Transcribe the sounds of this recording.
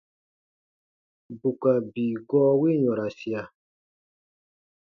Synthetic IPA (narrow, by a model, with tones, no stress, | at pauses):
bu˨ka˨biː˨ɡɔː˦wi˦ɲɔ̃˨ɾa˨si˨a˨